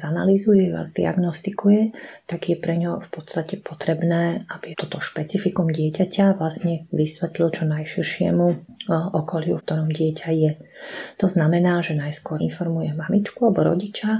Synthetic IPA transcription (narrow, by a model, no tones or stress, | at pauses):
zana̰lizujɛʋa̰zd̪ḭa̰ɡnɔst̪ikujɛt̪aɡjɛpɾɛɲɔfpɔt̪st̪acɛpɔt̪ɾɛbnɛːabit̪ɔt̪ɔʃpɛt͡sifikumɟɪɛcacʰaʋlasɲɛʋisʋɛt̪lilt͡ʃɔnajʃiɾʃɪɛ̰muʔɔkɔlɪufk̚t̪ɔɾɔmɟɪɛcʰajɛt̪ɔznamɛnaːʒɛnajskʊɔɾinfɔɾmujɛmamit͡ʃkualɛbɔɾɔ̰ɟit͡ʃa